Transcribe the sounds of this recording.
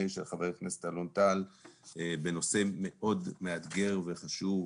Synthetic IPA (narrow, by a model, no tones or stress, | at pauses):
eʃelχaveknese̥t̪alont̪al | beno̞se̞me̞ʔo̞dmead̪ɡe̞ʁve̞χaʃuv